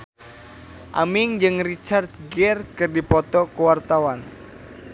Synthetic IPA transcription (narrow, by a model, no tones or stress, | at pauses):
ʔamɪŋd͡ʒɨŋrit͡ʃart̪̚ɡɛrkɨrdipɔt̪ɔkəwart̪awan